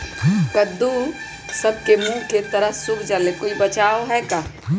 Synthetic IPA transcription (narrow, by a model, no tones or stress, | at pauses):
kəd̪u | səb̚kemũːket̪əɾəɦsʊkʰd͡ʒalekoːibət͡ʃaːoɦɛkaː